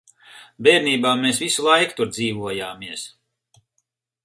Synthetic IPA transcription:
bɛːɾniːbaːmeːsvisulˠajkt̪uɾd̪ziːvuɔjaːmiɛs

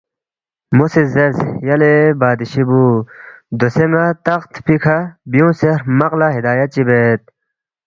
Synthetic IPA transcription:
musizeɾzjɐlebaːd̪iɕibu | d̪oseŋɡat̪ɐqt̪pikʰabijũːseɾmɐqlaɦid̪aːjɐt͡ɕibet̪̚

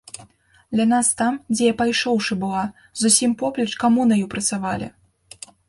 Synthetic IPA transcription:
d̪lʲanast̪amd͡zʲɛjapajʂɔwʂɨbɨlˠa | zusʲimpɔplʲɐt͡ʂkamunɐjupɾɐt̪savalʲḭ

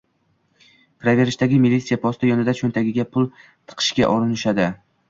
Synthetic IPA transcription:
pʰɾave̞ɾɪʃt̪aɡʲɪmilit̪sijapʰɒst̪ʰɪjɒnɪd̪at͡ʃʰont̪ʰaɡʲɪɡʲapʰʊlˠ | t̪ʰɨ̥qʰɨ̥ʃɡʲa̰ʔɒɾɪnɪʃad̪ɪ

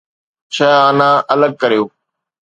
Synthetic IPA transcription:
t͡ɕʰəaːnãːʔɐləɡ̚kəɾijoː

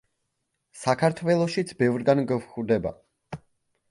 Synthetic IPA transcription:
sakʰaɾt̪ʰwɛlˠɔʃit̪sʰbɛvɾɡanɡɛvχɾd̪ɛba̰

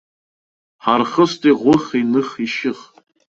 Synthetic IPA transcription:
ħarχəstʰʼiʁʷʊχenɨχiʃɪχ

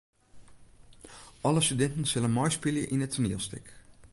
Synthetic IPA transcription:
ʔɑləstydɛntənsɪlənmɔjspɪljəʔɪnətʰəniːlˠstɪk

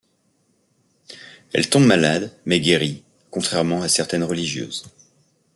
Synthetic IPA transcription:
ɛ̰lt̪ɔ̃bmalad̪mɛɡʲeʁi | kɔ̃t̪χɛʁmɑ̃asɛʁt̪ɛnʁəliʒjø̰ːz

